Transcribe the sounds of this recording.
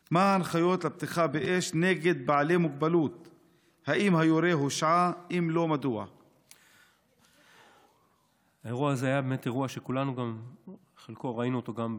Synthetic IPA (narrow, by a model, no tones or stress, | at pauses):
maanχajo̞t̪lab̚t̪iχabeʔeʃneɡe̞d̪̚baʕle̞muɡ̚balut̪ | haʔimhajoɾeɦoʃʕaʔimlo̞mad̪uʕa̰ | aeʁuaazeajabemet̪eʁuaʃekulanuɡam | χelkoʁainuot̪oɡam